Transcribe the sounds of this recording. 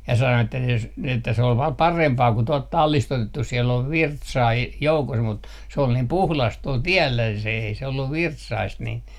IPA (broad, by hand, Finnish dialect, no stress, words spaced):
jɑ sɑno etːæ jos ni etːæ se ol ʋɑː pɑrempɑː ku tuɔlt tɑlːist otetːus siel oʋ ʋirtsɑː e joukos mut se ol niːm puhlɑst tuol tiɛlːæ se ei se olːuʋ ʋirtsɑist nin